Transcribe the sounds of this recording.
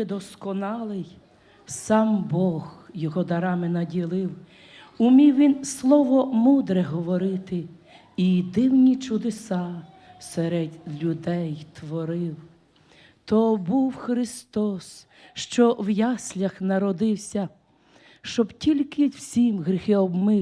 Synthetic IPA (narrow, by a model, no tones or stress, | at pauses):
d̪ɔskɔnɑlˠɪj | sɑmbɔɣjɔɦɔd̪ɐɾɑmɪnɐdʲilˠɪw | ʊmʲiwʋʲinslˠɔʋɔmud̪ɾɛɦɔʋɔɾɪt̪ɪ | id̪ɪwnʲit͡ʃʊd̪esɑ | sɛɾed̪ʲlʲʊd̪ɛjt̪ʋɔɾɪw | t̪ɔbuwxɾɪst̪ɔs | ʃt͡ʃɔwjɑsʲlʲɐxnɐɾɔd̪ɪwsʲɐ | ʃt͡ʃɔbtʲilʲkɪw̥sʲimɣɾʲixɪɔbmɪ